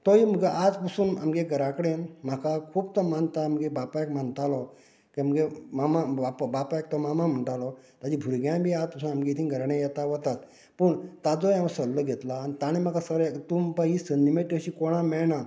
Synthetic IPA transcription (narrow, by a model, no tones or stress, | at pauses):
t̪ɔiməɡeʔad͡zpusuːna̰mɡeɡəɾakɽenm̤akakʰuːbt̪ɔmant̪aːmɡebapajkmant̪alɔ | kiamɡemamaapbapajk̚t̪ɔmamam̤əɳʈ̪alɔ | t̪ad͡ʑibʱuɾiɡjãbʱiːad͡zpəsuːnamɡet̪ʰinɡʱəɾaɳejɛt̪aʋət̪at̪ | pəɳt̪ad͡zojamsəlːəɡʱet̪laːnit̪añem̤akasəɾjkt̪umpaɦisəndimeʈəɕikoɽ̃amɛɭna